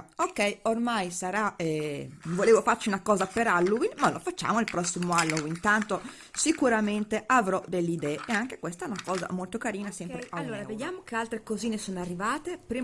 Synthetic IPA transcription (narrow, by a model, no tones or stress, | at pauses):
okːɛjormajsaɾaɛvoleːvofaɾt͡ʃiunakɔːzapeɾalːuwinmalofat͡ʃːa̰ːmoilpɾɔsːimoalːuvint̪ant̪o | sikuɾament̪eʔavɾɔd̪elːid̪ɛːʔeaŋke̥kwɛst̪aɛnakɔːza̰molt̪okaɾiːnasɛmpɾeaoːɾavejaːmokealt̪ɾekoziːnesoːnarːivaːt̪epɾi